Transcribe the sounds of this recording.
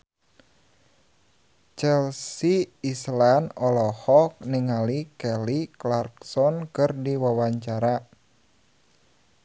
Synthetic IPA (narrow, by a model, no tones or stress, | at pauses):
t͡ʃɛlsiːslanɔlɔhɔk̚niŋalikɛliklarksɔnkɨrdiwawaɲt͡ʃaɾa